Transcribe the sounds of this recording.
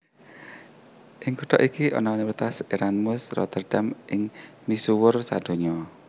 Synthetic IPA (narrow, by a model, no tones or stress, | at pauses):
ʔɪŋkuʈ̪ɔʔikiʔɔ̰nɔniwɾit̪asiɾanmʊsrɔ̰t̪ərɖ̥amʔɪŋmisuwʊrsad̥o̤ɲɔ